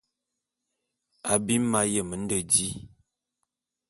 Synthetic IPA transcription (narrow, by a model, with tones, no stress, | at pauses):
a˨bi˦ma˦jə˦˨mə˨˦n̩˦də˨di˦